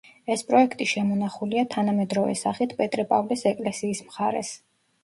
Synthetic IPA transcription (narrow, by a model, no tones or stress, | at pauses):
ɛspʼɾɔɛkʰt̪ʼiʃɛmɔnaχuliat̪ʰanamɛd̪ɾɔvɛ̰sa̰χit̪ʰpʼɛt̪ʼɾɛpʼavlɛsɛkʼlɛsiːsmχaɾɛ̰s